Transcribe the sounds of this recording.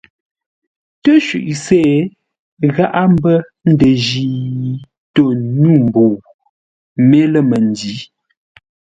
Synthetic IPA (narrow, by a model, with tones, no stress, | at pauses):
tə˦ʃʉ˨ʔsɛː˦˨ | ɣa˦ʔa˦m̩˦bə˦ | n̩˦də˨ʒiː˨ | to˨nu˦˨m̩˨boː˨ | me˦lə˦˨mə˨n˨di˨˦